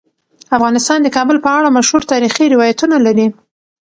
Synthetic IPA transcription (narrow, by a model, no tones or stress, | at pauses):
afɣɑnɪst̪ɑnd̪əkɑbəlpəaɽamaʃhuɾt̪ɑɾixiɾɪwɑjat̪unalaɾi